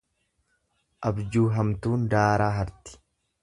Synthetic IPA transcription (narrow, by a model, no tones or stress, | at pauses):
ʔɐbd͡ʒuːɦɐmt̪uːnd̪aːɾaːɦɐɾt̪ɪ̥